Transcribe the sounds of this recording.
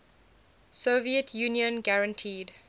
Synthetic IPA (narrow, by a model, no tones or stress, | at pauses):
soviətʰjũːnjə̃nɡaɹə̃ntʰiːd